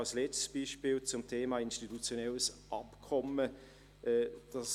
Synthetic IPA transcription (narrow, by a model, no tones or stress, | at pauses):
slɛt͡stsb̥iːʃpiːlt͡sʊmtʰeːmaːinʃtitut͡sjonɛləsʔɑpkʰɔmə | ʔɛd̥ɑs